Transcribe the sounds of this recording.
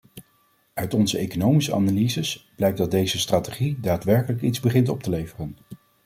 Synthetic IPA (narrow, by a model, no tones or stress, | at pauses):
œɥtɔnzəejkonowmisəʔa̰nalizəsb̥lɛjk̚dɑd̚dejzəstraːteχidaːtʋɛɹkələkidzbəχɪntɔp̚təlejvərən